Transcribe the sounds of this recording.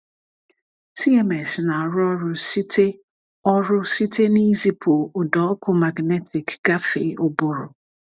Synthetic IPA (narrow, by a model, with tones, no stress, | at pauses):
tʰi˦ɛ˨mɛ˨sna˨ɾʊ˦ɔ˦ɾʊ˦si˦tʰe˦ | ɔ˦ɾʊ˦si˦tʰe˦ni˦zi˦pʰo˨ʊ˨dɔ˨˦kʰʊ˦ma˨ɡnɛ˦tʰɪ˨kɡ̥a˦fe˨o˦bʊ˨ɾʊ˨